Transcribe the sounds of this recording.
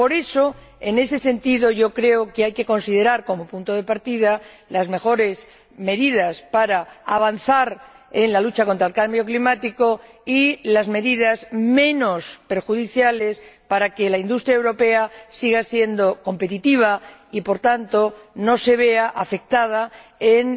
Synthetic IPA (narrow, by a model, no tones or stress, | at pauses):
po̞ɾe̞so̞ | e̞ne̞se̞se̞nt̪iðo̞ʝo̞kɾe̞okeajke̞ko̞nsið̞e̞ɾaɾko̞mo̞punt̪oðe̞paɾt̪ið̞a | lazme̞xo̞ɾe̞s | me̞ðiðaspaɾaaβ̞an̟θaɾ | e̞nlalut͡ʃako̞nt̪ɾaelkambjo̞klimat̪iko̞ilazme̞ðiðazmẽ̞no̞spe̞ɾxuðiθjale̞spaɾake̞laind̪ust̪ɾjaewɾo̞pe̞asiɣasje̞nd̪o̞ko̞mpe̞t̪̬it̪iβ̞aipo̞ɾt̪ant̪o̞no̞se̞βe̞aʔafe̞k̚t̪að̞aen